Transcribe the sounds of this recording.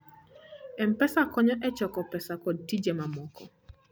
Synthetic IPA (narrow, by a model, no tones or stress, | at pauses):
ɛmpɛsakɔɲɔʔɛt͡ʃɔkɔpɛsakod̚tid͡ʒemamɔkɔ